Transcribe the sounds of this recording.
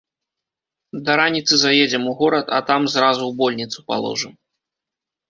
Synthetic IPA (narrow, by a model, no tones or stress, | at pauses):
d̪ɐɾanʲit̪sɨzajɛd͡zʲɛmuɣɔɾɐt̪ʰɐ̰t̪amzɾazuwbɔlʲnʲit̪supa̰lˠɔ̰ʐɨm